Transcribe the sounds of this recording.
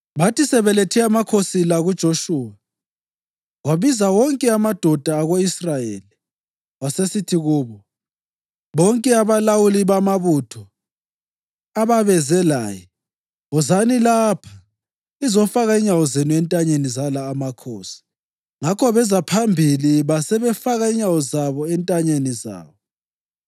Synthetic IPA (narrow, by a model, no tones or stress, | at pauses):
βatisɛβɛletʰɛamakʰosilaɣud̥ʒ̥ʱoʃuːwa | waβizaɣɔŋkʼɛamad̥ʱɔd̥ʱaːɣoisrajḛːli | wasesitʰiɣuːβɔ | βɔŋkʼɛaβalawuliβamaβutʰɔ | aβaβɛzɛla̰ːjɛ | ɔzanilapʰḁ | izɔfaɣaiɲawɔzenuɛntʼaɲenizalaːmakʰɔːsi̥ | ŋakʰɔβɛzapʰambʱiliβasɛβɛfaɣaiɲawɔzaβɔɛntʼaɲeniza̰ːβɔ